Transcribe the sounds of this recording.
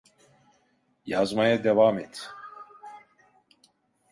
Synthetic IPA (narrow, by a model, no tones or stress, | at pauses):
jaːzmajɛd̪ɛvaːmet̪ʰ